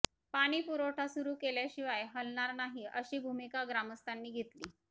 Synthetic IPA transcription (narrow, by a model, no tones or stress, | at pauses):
paɽ̃iːpuɾoʈʰasuɾuːkeljaɕiʋajɦəlɳaɾnaɦiːəɕiːbʱumikaɡɾaməst̪ʰanːiːɡʱet̪liː